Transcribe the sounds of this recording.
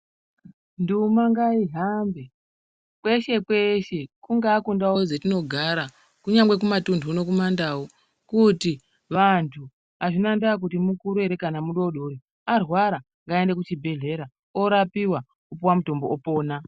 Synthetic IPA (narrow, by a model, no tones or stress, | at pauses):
ndumaŋɡaiɦambe | kwe̞ʃe̞kwe̞ʃe̞kuŋɡaːkundawod͡zetino̞ɡʱaɾa | kuɲaŋɡwek̬umatundʰʱuno̞k̬umandawo | kuti | ʋantʰu | aʐinandak̬utimukuɾueɾe̞kanamuɗo̞ɗoɾi | arwaɾa | ŋɡaende̞k̬ut͡ʃibʱe̞ɮe̞ɾa | o̞ɾapiwa | upuwamuto̞mboopo̞ːna